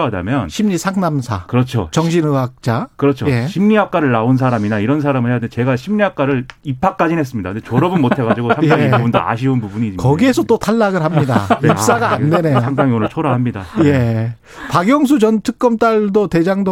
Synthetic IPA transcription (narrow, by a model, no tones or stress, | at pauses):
ɦada̰mjʌnɕʰimɲisʰaŋnamsʰa̰kɯɾʌt͡ɕʰo̰t͡ɕʌŋɕʰinɯɦak̚t͡ɕ͈akɯɾʌt͡ɕʰojeɕʰimɲiɦak͈̚aɾɯɭːauns̬ʰaɾaminaiɾʌns̬ʰaɾamɯɭhejadet͡ɕe̞ɡaɕʰimɲiɦak͈̚aɾɯɭipʰak͈̚ad͡ʑinɦes͈ɯmɲidakɯnd̪et͡ɕʌɾʌbɯnmotʰe̞ɣad͡ʑiɡosʰaŋaibubundo̰a̰ɕ̬ʰiunpubuɲiikʌɡie̞sʰʌt͈otʰaɭːaɡɯɭɦamɲida̰ip̚ss͈aɡaandene̞josʰaŋdaŋionɯɭt͡ɕʰoɾaɦamɲidaje | paɡjʌŋs̬ʰut͡ɕʌntʰɯk͈ʌmt͈aɭdote̞d͡ʑaŋdo